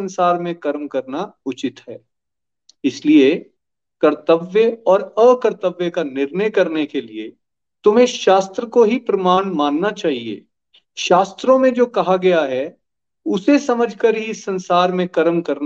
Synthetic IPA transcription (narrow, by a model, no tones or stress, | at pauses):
ɐ̃nsaːɾmẽkɐɾmkɐɾnaʊt͡ʃɪt̪ɦɛː | ɪslie | kɐɾt̪əʋjeɔːɾəkɐɾt̪əʋjəkanɪɾnəjkɐɾnekelie | t̪ʊm̤ẽʃaːst̪ɾəkoɦipɾɐmaːɳmãːnːat͡ʃaːɦiḛː | ʃaːst̪ɾõmẽd͡ʒoːkɐɦaɡɐjaɦɛː | ʊsesɐməd͡ʒʱkəɾɦiɪsːɐ̃nsaːɾmẽkɐɾmkɐɾna